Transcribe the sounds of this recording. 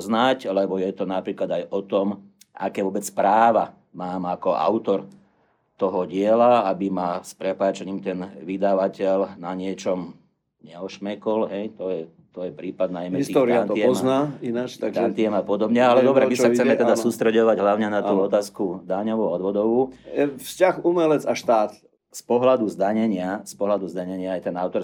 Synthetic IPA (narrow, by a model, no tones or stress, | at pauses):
znaclɛbɔjɛt̪ɔnapɾiːklad̪ajɔt̪ɔm | a̰kɛːʋɔbɛt͡spɾaːʋa | maːmakɔa̰ʊt̪ɔɾ | t̪ɔɦɔɟɪɛlaabimaspɾɛpaːt͡ʃɛɲiːmt̪ɛnʋid̪aʋacɛlnaɲɪɛt͡ʃɔm | ɲɛɔʃmɛkɔlɦɛjt̪ɔjɛ | t̪ɔjɛpɾiːpad̪najmɛisit̪ːɾaniɛɔnaːinat͡ʃt̪annt̪iɛmapɔd̪ɔbɲɛalɛd̪ɔbɾɛmissaxt͡sɛmɛt̪ɛd̪assuːst̪ɾɛɟɔʋaɟɦlaʊɲɛnat̪uːɔt̪aːskud̪aɲɔʋuɔd̪ʋɔd̪ɔʋuɛfscaxumɛlɛt͡saʃt̪aːt̪ | spɔɦlad̪uzd̪aɲɛɲɪaspɔɦlad̪uzd̪aɲɛɲɪaːjt̪ɛnaʊt̪ɔɾ